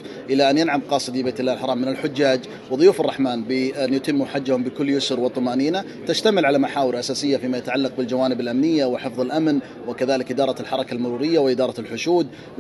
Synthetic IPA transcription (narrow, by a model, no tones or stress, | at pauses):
ʔɪlaʔanjanʕamqɑːsˤɨd̪ibejːt̪ɪlːaːɪlħɑɾˤɑːmːɪnɪlħʊd͡ʒːaːd͡ʒ | wɪðˤʊjuːfɑrˤːɑħmaːnbɪanjʊt̪ɪmːuħad͡ʒːahʊmbɪkʊlːjʊsʊɾwɨt̪ˤːɑmaːniːna | t̪aʃt̪amɪlʕalamaħaːwɪɾʔasaːsɪjːafiːmajat̪aʕalːɑq̚bɪld͡ʒawaːnɪbɪlʔamnɪjːawɪħɪfðˤɪlʔamn | wɪkaðaːlɪkʔɪd̪ɑːɾˤɑlħɑɾˤɑkalmʊɾuːɾɪjːawɪʔɪd̪ɑːɾˤɑlħʊʃuːd̪